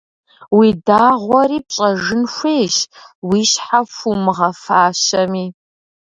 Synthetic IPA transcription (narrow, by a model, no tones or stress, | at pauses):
widaːʁʷɔɾiːpɕʼɐʒɨnxʷejʃwiːɕħafumɨʁɐfaːɕɐmiː